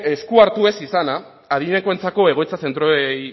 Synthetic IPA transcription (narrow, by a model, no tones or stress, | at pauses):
eskuaɾt̪ue̞sisanaː | ðiɲekoe̞nt͡sako̞e̞ɣ̞o̞jt͡sase̞nt̪ɾoej